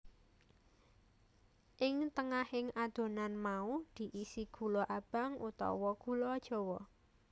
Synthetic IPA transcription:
ʔɪŋt̪əŋahɪŋad̪̥o̤nanmaud̪̥i̤ʔisiɡ̥ṳlɔʔab̥a̤ŋut̪ɔ̰wɔɡ̥ulɔd̥ʒ̥o̤wɔ

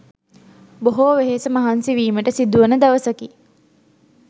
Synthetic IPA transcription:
boɦoʋeɦesəmɐɦansiʋiːməʈəsid̪uʋənəd̪ɐʋəsɐki

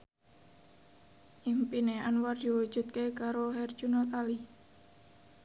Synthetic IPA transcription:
ʔimpineanward̪̥i̤wu̥ʒ̥ṳt̪̚kekaɾohɛr̥d͡ʒunɔt̪ali

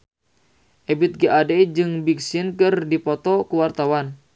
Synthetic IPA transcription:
ʔebit̪̚ɡeʔadɛd͡ʒɨŋbiksinkɨrdipɔt̪ɔkuwart̪awan

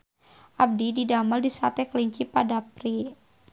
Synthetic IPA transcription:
ʔab̚dididamaldisat̪ɛkəliɲt͡ʃipadapɾi

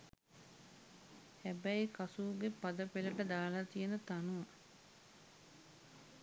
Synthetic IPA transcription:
hæbæjkasuːɡepad̪əpeləʈəd̪aːlat̪ijənət̪anua

